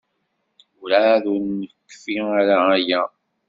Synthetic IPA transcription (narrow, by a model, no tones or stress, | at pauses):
ʊɾaðuɾnəkːfiaɾaːjæ